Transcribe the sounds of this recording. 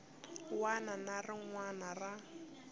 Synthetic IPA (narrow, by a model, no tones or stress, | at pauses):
wananarɪŋwanara